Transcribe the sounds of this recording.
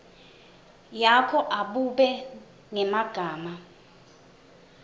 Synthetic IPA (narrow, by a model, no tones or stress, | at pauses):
jakʰɔʔaɓuɓɛ | ŋɛmaɡ̥ʱaːma